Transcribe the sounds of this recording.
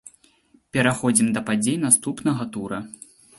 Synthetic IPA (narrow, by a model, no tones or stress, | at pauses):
pʲɛɾaxɔd͡zʲimd̪ɐpad͡zʲejnast̪upnɐɣɐt̪uɾɐ